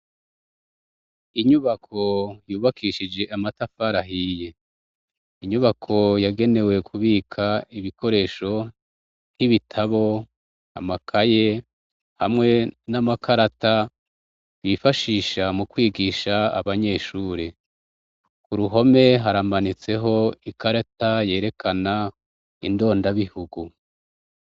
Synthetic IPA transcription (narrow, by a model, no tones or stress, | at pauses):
iɲuβakʰo̞juːβakʰiːʃid͡ʒe̞ʔamatafaɾaɦije̞ | iɲuβakʰo̞jaɡe̞ne̞we̞kʰuβiːkʰaiβiko̞ɾe̞ːʃo̞ | niβitʰaβo̞ | a̰makʰaje̞ | hamŋe̞namakʰaɾata | βifaʃiːʃamukwiːɡiʃa̰ːβaɲe̞ːʃuːɾe | kuɾuɦo̞me̞ɦaɾamanit͡se̞ɦo̞ikaɾataje̞ːɾe̞kʰana | ḭndo̞ːndaβihuɡu